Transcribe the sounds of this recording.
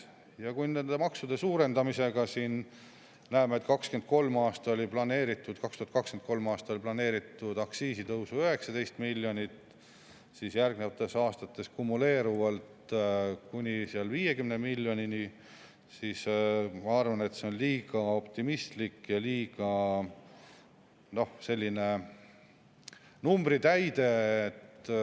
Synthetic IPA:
jɑkujnend̪e̞mɑksud̪̥esuːɾe̞nd̪ɑmise̞ɡ̥ɑsiːn | næemet̪kɑkske̞nd̪̚ko̞lmɑːst̪ɑo̞lʲiplɑne̞ːɾit̪ːˑud̪̥kɑkst̪uhɑt̪kɑkskent̪̚ko̞lmɑːst̪ɑoliplɑne̞ːɾit̪ːˑud̪̥ɑksiːsit̪ɤwsuøɦe̞ksɑd̪e̞jst̪milʲːjo̞nʲit̪ | sisjærɡ̥nevɑt̪ːˑesɑːst̪ɑt̪ːˑe̞skumule̞ːɾuvɑlt̪kunʲisiɑlviːje̞kymnemilʲːjo̞nʲini | siːsmɑɑrvɑne̞t̪se̞onliːɡ̥ɑo̞pt̪imist̪likjɑliːɡ̥ɑ | no̞hse̞lʲːine̞ | numbɾit̪æjd̪̥e̞ːt̪

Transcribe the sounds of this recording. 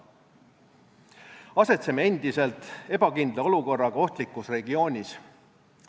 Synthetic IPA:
ɑse̞t̪semee̞nd̪ise̞lt̪ˑe̞b̥ɑkind̪lɑo̞luko̞rːɑɡ̥ɑo̞ht̪likːˑusre̞ɡio̞ːnʲis

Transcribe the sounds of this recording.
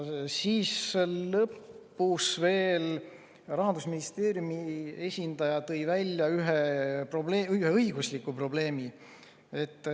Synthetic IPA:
siːsːelːɤpːusve̞ːl | rɑɦɑnd̪̥usminist̪e̞ːɾjumie̞sʲind̪̥ɑjɑt̪ɤ̞jvælʲːjɑyɦepro̞bleyheɤjɡ̥uslikːˑupro̞ble̞ːmi | e̞t̪ːˑ

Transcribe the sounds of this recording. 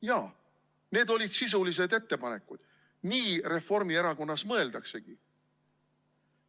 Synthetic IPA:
jɑː | ne̞ːd̪o̞lʲid̪̥sis̬ulis̬e̞d̪e̞t̪ːe̞pɑne̞kːud̪̥ | niːɾe̞fːo̞rmieɾɑko̞nːɑsmɤ̞e̞ld̪̥ɑkse̞ɡ̥i

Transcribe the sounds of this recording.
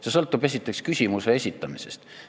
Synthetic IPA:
sesɤlt̪ːˑub̥e̞s̬ʲit̪ːˑe̞kskysʲimuse̞esʲit̪ːˑɑmise̞̰st̪

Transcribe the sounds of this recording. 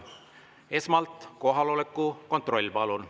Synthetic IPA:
e̞smɑlt̪ˑko̞ɦɑlo̞lekːˑuko̞nt̪ˑro̞lʲːpɑlun

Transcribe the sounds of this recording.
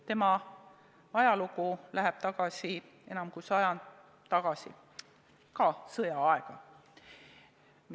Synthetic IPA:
t̪e̞mɑ | ɑjɑlukulæɦɛb̥t̪ɑɡ̥ɑsi | e̞nɑmkujsɑjɑn | t̪ɑɡ̥ɑsḭ | kɑsɤjɑɑeɡ̥ɑ | m

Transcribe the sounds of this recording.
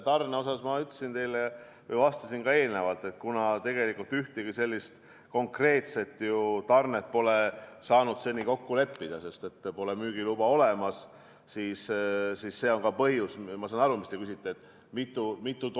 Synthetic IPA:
t̪ɑrneo̞sɑsmɑyt̪le̥sint̪e̞jlejɑ | vɤjvɑst̪ɑsinkɑe̞ːlne̞vɑlt̪ˑe̞t̪̚kunɑt̪e̞ɡe̞likult̪yht̪iɡ̥ise̞lʲːist̪ | ko̞ŋkre̞ːt̪se̞t̪ːˑjut̪ɑrnet̪po̞lesɑːnud̪̥se̞nːiko̞kːule̞pːid̪̥ɑse̞st̪e̞t̪ːpo̞lemyːɡ̥ilub̥ɑo̞le̞mɑs | siːssisse̞ːo̞ŋkɑpɤɦjusmɑsɑnɑɾumist̪e̞kysit̪ːˑeːt̪ːˑ | mit̪ˑːumit̪ːˑut̪

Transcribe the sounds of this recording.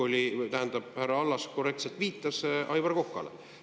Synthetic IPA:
o̞lʲit̪æɦend̪̥ɑb̥̚hærːɑɑlːɑsko̞re̞k̚t̪se̞lt̪viːt̪ːˑɑsʔɑjvɑrko̞kːɑ̰lḛ

